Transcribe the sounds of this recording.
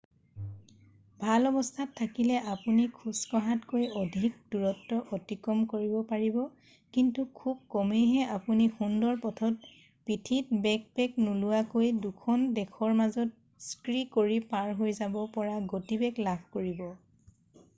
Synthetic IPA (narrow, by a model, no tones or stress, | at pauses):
bʱalɔbɔstʰatʰːakilɛʔapunikʰuskɔɦatkojodʱik̚duɹɔtːɔʔotikɔmkoɹibɔpaɹibɔ | kintukʰub̚kɔmejɦɛʔapunixundɔɹpɔtʰɔt̚ | pitʰitbɛk̚pɛknulʊwakojdukʰɔndɛkʰɔɹmazɔt̚ | skɹikoɹipaɹɦojzabɔpɔɹaɡotibɛklabʱkoɹibɔ